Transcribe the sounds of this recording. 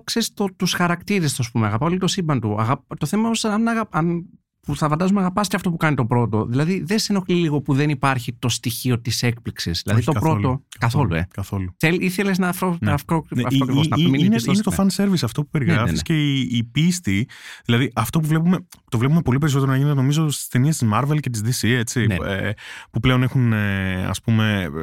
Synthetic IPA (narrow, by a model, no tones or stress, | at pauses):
kseɾist̪ot̪usxɐɾɐkt̪iɾest̪sɐspumeɐɣɐpɐoliɣot̪osimbɐnt̪uɐɣɐpt̪o̞θe̞mɐoosɐnɐɣɐɐn | puθɐfɐnd̪ɐzumeɐɣɐpɐst̪eɐft̪o̞pukɐnit̪o̞pɾo̞t̪o̞̰ðilɐðiðeseno̞xliliɣo̞puðe̞nipɐɾçit̪o̞st̪içio̞t̪ise̞k̚pliksizðilɐ̰ðit̪o̞pɾo̞t̪o̞kɐθo̞luḛkɐθoluθeliθeleznɐfofoknɐoɐkɾivosnɐiminnesiet̪ofɐnse̞ɾvisɐft̪o̞pu̥pe̞ɾiɣɾɐfisceːpist̪iðilɐðiʔɐft̪o̞puvle̞pume̞t̪o̞vlepume̞po̞lipe̞ɾis̬ot̪eɾonɐʝinet̪eno̞mizo̞st̪i̥st̪e̞niest̪izmɐɾvelce̞t̪̬izd̪isie̞t͡sinḛpuple̞onexuneɐ̰spume̞